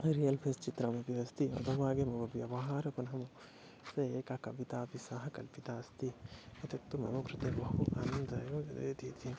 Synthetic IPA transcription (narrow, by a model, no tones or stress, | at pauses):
ɾijɐlpʰeːst͡ʃit̪ɾɐmɐpiɐst̪iɐ̰d̪ɐʋaːɡemɐɡɐbjɐʋɐɦaːɾɐkunɦɐmu | sɐeːkakɐʋit̪aːpisɐɦɐkɐlpit̪aːst̪iɐt̪ɐt̪ːumɐ̰muɡɾɪt̪eʋɐɦuʔa̰ːnɐnd̪ɐjoːjɐd̪ḛːt̪iːt̪i